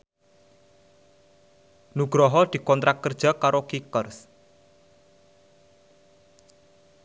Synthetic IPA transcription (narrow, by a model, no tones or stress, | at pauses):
nuɡ̥ɾɔɦɔd̪̥i̤kɔnt̪ɾʔak̚kːərd̥ʒ̥a̤kaɾokikərs